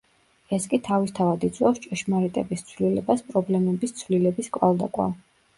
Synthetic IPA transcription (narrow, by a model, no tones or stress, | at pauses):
ɛskʼit̪ʰavist̪ʰavad̪it̪sʼwɛfst͡ʃʼɛʃmaɾit̪ʼɛbist̪sʰvlilɛbaspʼɾɔblɛmɛbist̪sʰvlilɛbiskʼwa̰lˠd̪akʼwa̰